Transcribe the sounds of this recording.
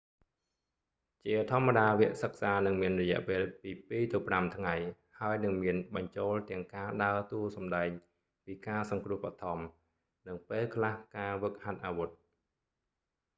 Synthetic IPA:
t͡ɕiət̪ʰŏəmːaɗaːʋɛ̆əʔsək̚saːnɨŋmiənrɔjɛ̆əʔpeːlpiːpiːt̪opramt̪ʰŋaj | haəjnɨŋmiənɓɑɲt͡ɕoːlt̪ɛ̆əŋkaːɗaət̪uəsɑmɗaɛŋ | piːkaːsɑŋkrʊ̆əhpʰat̪ʰɑm | nɨŋpeːlkʰlahkaːʋək̚hat̪̚ʔaːʋut̪̚

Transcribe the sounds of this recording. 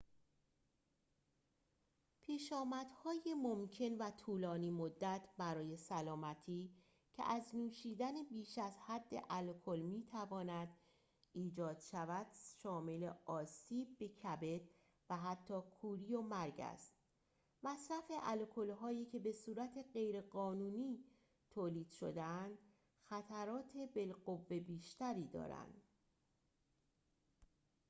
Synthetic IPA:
pʰiːʃɒːmæd̪̥hɒːjemomcʰe̞nvæt̪ʰuːlɒːniːmod̪ːæt̪ʰbæɾɒːje̞sælɒːmæt̪ʰiː | cʰḛʔæznuːʃiːd̪ænebiːʃæzhæd̪ːḛʔælkʰo̞lmiːt̪ʰævɒːnæd̪̥ | iːd͡ʒɒːd̪̥ʃævæd̪̥ʃɒːme̞leɒːsiːb̚ːe̞cʰæbe̞d̪ | væɦæt̪ʰːɒːkʰuːɾijomæɾɟæ̰st̪ | mæsɾæfe̞ʔælkʰo̞lɦɒːjiːcʰe̞be̞suːɾæt̪ʰe̞ɢe̞jɾe̞ɢɒːnuːniː | t̪ʰoːliːd̪̥ʃo̰d̪eænd̪̥ | xæt̪ʰæɾɒːt̪ʰe̞be̞lɢovːe̞biːʃt̪æɾiːd̪ɒ̰ːɾæ̰nd̪̥

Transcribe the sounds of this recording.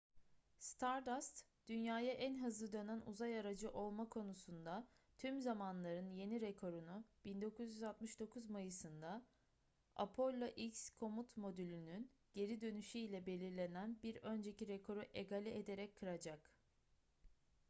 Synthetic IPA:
st̪ʰaɾd̪ast̪ | d̪̥ynjaːjaʔænɦɯzlɯd̪ø̞nænuzajaɾad͡ʒɯʔo̞lˠmakʰo̞nusund̪a | t̪ʰymzamanlˠaɾɯnje̞niɾekʰo̞ɾunub̥ind̪o̞kuzjyzat̪mɯʃd̪o̞kʰuzmajɯsɯnd̪a | a̰pʰo̞lʲːaʔicskʰo̞mut̪mo̞d̪ylʲynyn | ɟ̥e̞ɾid̪ø̞nyʃyilʲɛbe̞lʲiɾlʲe̞nænbiɾø̞nd͡ʒe̞ciɾekʰo̞ɾuʔeɡalʲied̪e̞ɾɛckʰːɯɾad͡ʒak

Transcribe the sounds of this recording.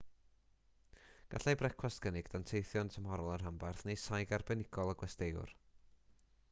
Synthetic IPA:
ɡ̥aɬajbrɛkʰwasɡ̥ənɪɡd̥antʰejθjɔntʰəmɦɔɾɔlˠarɦambarθnejsajɡarbɛnɪɡɔlˠəɡwɛstejʊ̰r

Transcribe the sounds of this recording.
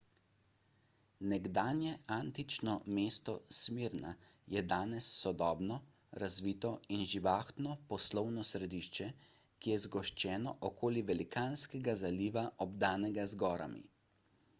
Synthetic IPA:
nɛɡd̪aːnjɛʔaːnt̪it͡ʃnɔmeːst̪ɔsmiːɾna̰ | jɛd̪aːnɛsːɔd̪ɔːbnɔ | ɾazʋiːt̪ɔinʒiʋaːxt̪nɔpɔslɔwnɔsɾɛd̪iʃt͡ʃɛ | kijɛzɡɔʃt͡ʃɛːnɔʔɔkʰoːliʋɛlikaːnskɛɡazaliːʋaʔɔbd̪aːnɛɡazɡɔːɾa̰mḭ

